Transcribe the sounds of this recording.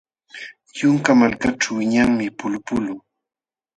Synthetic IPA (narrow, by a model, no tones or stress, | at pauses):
jʊŋkamalkaʈ͡ʂawɪɲaŋmɪpʊlʊpʊlʊŋ